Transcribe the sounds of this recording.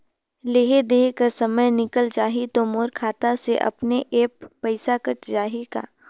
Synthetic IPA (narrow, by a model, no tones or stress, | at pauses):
leːɦed̪eːkəɾsɐməjnɪkəld͡ʒaːɦit̪omoːɾkʰaːt̪aseʔɐ̰pneʔeːpːəɪsakɐʈd͡ʒaːɦeka̰ː